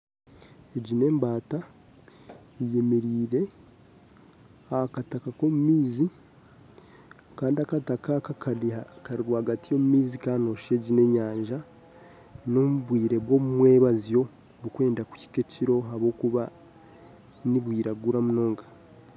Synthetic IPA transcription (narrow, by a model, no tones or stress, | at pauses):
eɟine̞ːmbaːta | eje̞meɾiːɾe̞ | akatakako̞mumiːzi | kaːndiakatakakaakaɾiɾwahaɡatijo̞mumiːzikano̞ʃe̞ɟine̞ɲaːɲʒa | no̞muβwiːɾe̞βwo̞mumwe̞ːβazijo̞ | βukwe̞ːndaku̥ci̥ke̞ciɾo̞ɦaβo̞ːkuβa | niβwiːɾaɡuɾamuno̞ːŋɡḁ